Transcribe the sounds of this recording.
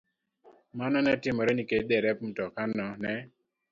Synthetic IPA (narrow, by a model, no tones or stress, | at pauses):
manɔnɛtɪmɔɾɛnikedɛɾɛpm̩tɔkanɔnɛ